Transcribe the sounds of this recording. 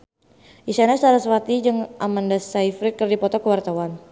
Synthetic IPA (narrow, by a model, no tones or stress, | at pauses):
ʔisanast͡ʃaɾasəfat̪id͡ʒɨŋʔamandasaifɾikːɨrdipɔt̪ɔkəwart̪awan